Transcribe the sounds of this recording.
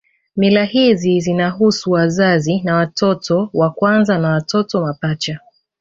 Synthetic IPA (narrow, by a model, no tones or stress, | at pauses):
milahizizinaɦusuwazazinawatʰɔtʰɔwakwanzanawatɔtɔmapat͡ʃa